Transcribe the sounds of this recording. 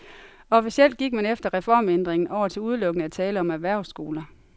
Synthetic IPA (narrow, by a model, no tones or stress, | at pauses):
ɒ̽fisiel̰d̥̚ɡ̥iɡ̥̚mænefd̥ɐʁɛfɒ̰ːmend̥ʁeŋn̩ʔɒʊ̰ɐt͡sʰe̝luð̞ˠlɔ̽ɡ̥ənəæt͡sʰɛːləɒ̽mæʋæɐ̰sɡ̥o̝ːlɐ